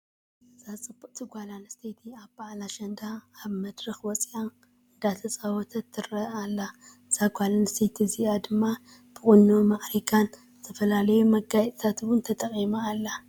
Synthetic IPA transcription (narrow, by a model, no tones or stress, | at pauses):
z̥at͡sʼɨbːuqʼt̪ʰɨɡʷalanɐst̪ʰet̪ʰiaβbaʕlaʃɐnd̪aːβmɐd̪ɾɨxwɔt͡sʼjan | ɨnd̪at̪ʰɐt͡sʼawɔt̪ʰɐt̪ʰːɨɾɐalːa | z̥aɡʷalanɐst̪ʰet̪ʰziʔad̪ɨmːa | b̥ɨχʼʊnːomaʔɾikʰanzɨt̪ʰɐfɐlalɐjumɐɡajɛt̪ʼt̪ʰat̪wʊnt̪ʰɐt̪ʼɐqʼimaːlːa